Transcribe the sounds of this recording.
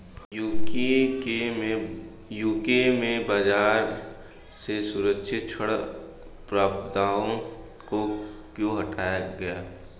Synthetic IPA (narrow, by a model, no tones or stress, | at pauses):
jukeemẽ | juːkemẽbəd͡ʒaːɾ | sesʊɾəkʃɪt̪̚t͡ʃʰəɽ | pɾaːbd̪aːõ | kokjõɦɐʈaːjaɡɐjaː